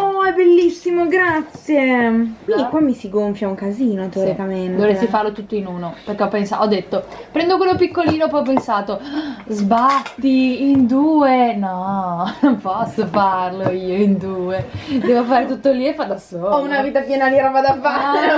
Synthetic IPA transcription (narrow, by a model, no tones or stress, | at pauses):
oɛbelːisːimoɡɾat̪sjekwinikwamːisiɡoɱfjauŋkaziːnot̪oːɾɾikamend̪oɾessːifarlot̪ut̪ːoinuːnoperkeɔpːensaʔɔd̪ːet̪ːopɾɛnd̪okwelːopikːoliːnopɔjɔp̬ːensaːt̪ozbat̪ːiind̪uːenɔompɔsːofarloiːoind̪uːed̪ɛːvofaːɾet̪ut̪ːolːiefad̪asoɔunaviːt̪apjɛːnad̪iɾavad̪afa